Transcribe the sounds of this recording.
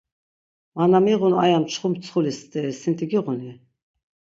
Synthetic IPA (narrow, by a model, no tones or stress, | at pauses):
manamiʁuna̰jamt͡ʃʰχumt͡sʰχulist̪ʼɛsint̪ʰiɡiʁuni